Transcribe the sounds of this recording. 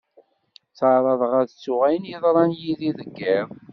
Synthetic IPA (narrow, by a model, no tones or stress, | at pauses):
t͡sɑɾˤɑðˤʁæðt͡sːʊʁæjənjiðˤɾˤɑnjiðiðəɡːiðˤ